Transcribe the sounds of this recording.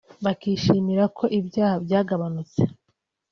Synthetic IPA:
βakiːʃiːmiɾakʰo̞ʔibjaːhabɟaːɡaβanut͡se̥

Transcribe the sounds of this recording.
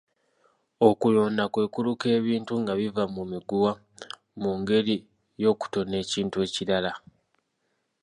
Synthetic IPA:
o̞kuloːndakwe̞ːkuluke̞ːβiːntuŋɡaβivamumiɡuwa | muŋɡe̞ɾi | jo̞ːku̥to̞ne̞ːciːntue̞ːciɾala

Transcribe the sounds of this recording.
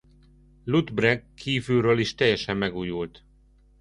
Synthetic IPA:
lud̪brɛkʰːiːvylɾøːliʃt̪ɛjːɛʃɛmːɛɡuːjult̪

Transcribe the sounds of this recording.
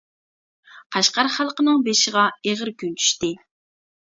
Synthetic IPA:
qʰɑʃqɑɾχælˠqənɨŋbeʃɪʁɑeʁəɾkʲʰynt͡ʃʰy̥ʃt̪ɪ

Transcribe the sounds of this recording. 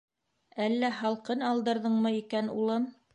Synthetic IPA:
ælːæhɑlˠqɤnɑlˠd̪ɤ̆ɾðɤɴmɤikænṵlˠɤm

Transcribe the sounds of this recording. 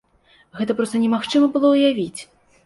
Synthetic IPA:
ɣɛt̪ɐpɾɔst̪ɐnʲɛmaxt͡ʂɨmɐbɨlˠɔwjavʲit͡sʲ

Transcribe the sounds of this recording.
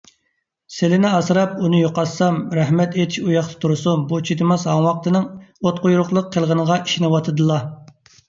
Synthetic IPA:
selɪnɪɑsɨɾɑp̚unɨjoqɑsɑmɾæhmɛt̪et̪ʰɪ̥ʃujɑχt̪ʰɨ̥t̪ʰuɾsumbut͡ʃʰid̪ɨmɑsɑŋwɑq̚t̪ɨnɨŋot̪̚qojuɾʊqlˠəqʰːəlˠʁənəʁɑʔi̥ʃinɨwɑt̪ʰɨd̪ɨlˠɑ

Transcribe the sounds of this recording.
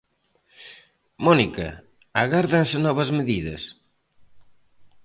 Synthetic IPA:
mɔnikɐ̰ | aɣaɾðɐnsɪnɔβɐzmeðiðɐ̰s

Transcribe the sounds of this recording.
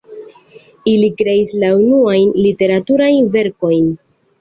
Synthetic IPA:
ilikɾe̞islaunuajnlite̞ɾatuɾajnve̞ɾko̞jn

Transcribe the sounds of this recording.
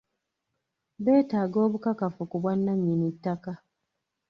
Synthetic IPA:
βe̞ːtaːɡo̞ːβukakafukuβwanːaɲːinitːaka

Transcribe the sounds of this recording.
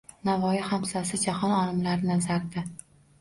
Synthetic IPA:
navɒjɪhamsasɪd͡ʒahɒnɒlˠɪmlaɾnazaɾd̪ɪ

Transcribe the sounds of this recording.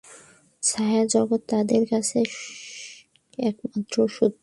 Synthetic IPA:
sajad͡ʑɔɡot̪ːad̪eɾkat͡ɕʰe | ɛkmat̪ːɾoʃud̪ʱ

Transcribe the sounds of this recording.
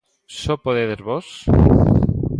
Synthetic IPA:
sopoðeðezβos

